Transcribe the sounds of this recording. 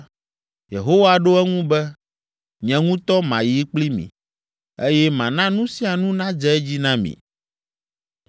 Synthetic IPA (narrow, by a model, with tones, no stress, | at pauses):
je˨ɦo˦wa˨ɖo˦ɛ˦ŋũ˦bɛ˦ | ɲɛ̃˨ŋũ˦t̪ɔ˦mã̰˨ji˨˦k͡pli˦mḭ̃˨ | e˦jɛ˦mã˨nã˦nũ˦si˦a˨nũ˦nã˦d͡ʒɛ˦ɛ˦d͡ʑi˦nã˦mḭ̃˨